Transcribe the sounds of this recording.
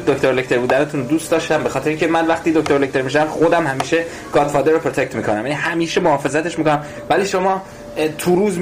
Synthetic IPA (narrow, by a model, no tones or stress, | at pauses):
d̪oct̪oɾlekct̪ʰeɾbuːd̪ænet̪ʰuːnd̪uːst̪ɒːʃt̪æmbe̞xɒːt̪ʰeɾeiŋcʰemænvæxt̪id̪ok̚t̪oɾlect̪ʰe̞ɾmiʃææmxod̪æmhæmiːʃe | ɡ̥ɒːd̪fɒːd̪eɾopʰɾot̪ʰe̞c̚t̪miːkʰonæmjænihæmiːʃe̞mohɒːfe̞zæt̪e̞ʃmiːkonæm | væliːʃo̞mɒː | t̪ʰuɾuːz